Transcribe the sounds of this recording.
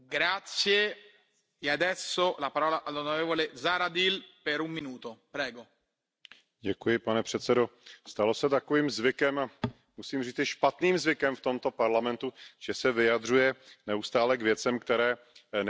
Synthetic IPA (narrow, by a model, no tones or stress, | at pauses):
ɡɾat̪sje | ead̪ɛsːolapaɾɔːlaʔalːonoɾɛːvolezaːɾad̪ilpɛɾumːinuːt̪opɾɛːɡo | ɟɛkujɪpanɛpr̝̥ɛt̪sɛdost̪alo̞sɛt̪akoviːmzvɪkɛma | musiːmriːt͡sɪʃpat̪niːmzvɪkɛmft̪o̞mt̪opaɾlamɛnt̪uʒ̥ɛsɛvɪjad̪r̝ujɛnɛust̪aːlɛkvjɛtt͡sɛmkt̪ɛɾɛː